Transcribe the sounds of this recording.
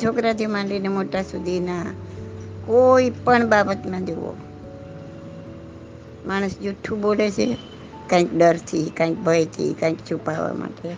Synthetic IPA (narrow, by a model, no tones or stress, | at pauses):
t͡ʃʰokɾat̪ʰimãɳlinemoʈasud̪ʱina | koipəɳbabət̪mãd͡ʒoʋo̰ | maɽ̃usd͡ʒuʈʰːũbolet͡ʃʰe | kãĩkɖəɾt̪ʰikãĩk̚bʱəjt̪ʰḭkãĩkt͡ʃʰupaʋa̰ma̰ʈe